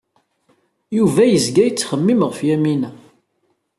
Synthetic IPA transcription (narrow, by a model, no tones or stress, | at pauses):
juvæjəzɡæjət͡sːχəmːimʁəfjæminæ